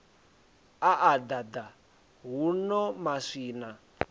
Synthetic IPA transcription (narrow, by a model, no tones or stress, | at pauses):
aʔad̪ad̪a | ɦunɔmaʂiːna